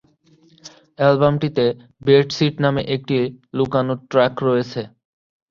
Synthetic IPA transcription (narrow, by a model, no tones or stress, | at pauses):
ɛlbamʈit̪e | beɾʈsiʈnameʔek̚ʈilukanoʈɾɛkɾɔet͡ɕʰe